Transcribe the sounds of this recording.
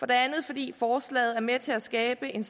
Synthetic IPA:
fɒ̽d̥e̝ænð̞̩ˠfɒ̽d̥ḭːfɒːslɛ̰ːɪð̩ˠæɐmet͡sʰe̝læsɡ̥ɛːb̥əe̝ns

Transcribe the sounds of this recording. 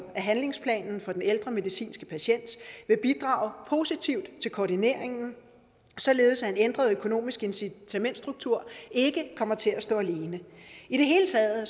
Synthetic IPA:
æɦænle̝ŋspʰlɛ̰ːnn̩fɒ̽d̥eneld̥ʁɐme̝ðˠisḭːnsɡ̥ə̥pʰæɕen̰d̥ʋe̝b̥id̥ʁɑ̰̈ːʊpʰo̝ːsit͡sʰiʊd̥t͡sʰe̝lkʰɒːdine̝̰ɐ̰eŋn̩ | sɒ̽le̝ːð̞̩ˠsæe̝nend̥ʁɐð̞̩ˠøkʰo̝no̝̰ːmisɡ̥e̝nsit͡sʰæmen̰d̥sd̥ʁuɡ̥̚t͡sʰuɐ̰e̝ɡ̥əkʰɒ̽mɐt͡sʰe̝læsd̥ɔ̰̽ːæle̝ːnəiɾ̥e̝ɦe̝ːlət͡sʰɛːðˠ

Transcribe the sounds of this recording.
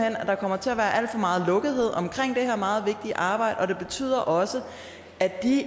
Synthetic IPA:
en̰æd̥ɑ̈kʰɒ̽m̰ɐt͡sʰe̝æʋæːɐʔæl̰d̥fɒ̽mɑ̈ːð̞̩ˠlɔ̽ɡ̥ð̩ˠɦe̝ð̰ˠɒ̽mkʰʁeŋ̰d̥e̝heɐmɑ̈ːð̞̩ˠʋe̝ɡ̥̚d̥iʔɑ̈ːb̥ɑ̈ɪ̰d̥ɒ̽ɾ̥e̝b̥e̝t͡sʰy̰ːð̞̰ˠɐʔɒ̽sə | æd̥i

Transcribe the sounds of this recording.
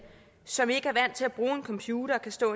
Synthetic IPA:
sɒ̽me̝ɡ̥əæɐʋæn̰t͡sʰe̝læb̥ʁuːe̝nkʰɒ̽mpʰjuːɾɐkʰæsd̥ɔ̰̽ː

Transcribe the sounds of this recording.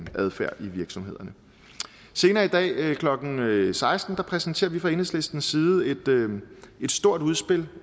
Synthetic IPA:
ʔæð̞ˠfæɐ̰iʋiɐɡ̥sɒ̽mɦe̝ð̞̰ˠɐnə | se̝ːnɐːid̥ɛ̰ːkʰlɒ̽ɡ̥n̩sɑ̈ɪsd̥n̩d̥ɑ̈pʰʁɛsn̩t͡sʰe̝̰ːɐʋifʁɑ̈e̝nəsle̝sd̥n̩sːiːð̩ˠe̝d̥ | e̝d̥sd̥o̝ɐ̰d̥uð̞ˠsb̥e̝l

